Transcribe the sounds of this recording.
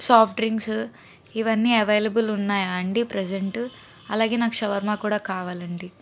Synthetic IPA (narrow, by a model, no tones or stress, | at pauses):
saːpʰʈɾiŋɡs | iʋɐnːiːɐʋejlɐbulunːaːjaːɳɖipɾed͡ʒeɳʈ | ɐlaːɡeːnaːkuʃɐʋɐɾmaːkuːɽaːkaːʋaːlɐɳɖi